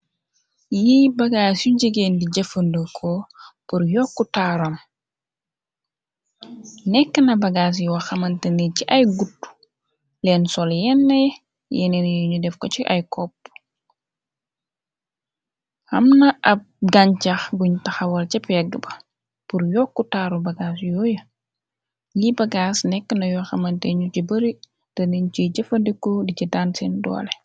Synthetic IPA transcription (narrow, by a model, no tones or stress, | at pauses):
jibɐɡaːsjuɟəɡeːndiɟɐfəndəkʰɔpuɾjɔkːutaɾom | nɛkːənɐbɐɡaːs̬juwɐxɐmɐntɐniciʔɐjɡutːu̥ | lɛːnsɔljɛnːɐjɛ | jɛ̰nɛnjuɲudɛfkɔt͡ʃiʔa̰jkʰɔpː | xɐ̰mnɐʔɐp̚ɡaɲt͡ʃɐxɡuɲtɐxɐwɐɾt͡ʃɐpɛɡəbɐ | puɾjɔkːutaːɾubɐɡaːsjɔːjə | libɐɡaːsnɛkːənɐjwxɐmɐntɛɲucibɐɾi | tɐnint͡ʃiɟɐfɐdɛkːɔdicidansɛndɔ̰ːlɛ